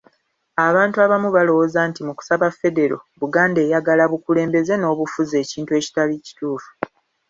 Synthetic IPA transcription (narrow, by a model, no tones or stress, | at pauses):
aβaːntuaβamuβalo̞wozaːntimuku̥saβafːe̞de̞ɾo̞̰βuɡaːnde̞ːjaɡalaβukule̞ːmbe̞ze̞no̞ːβufuze̞ːciːntue̞ːci̥talici̥tuːfu̥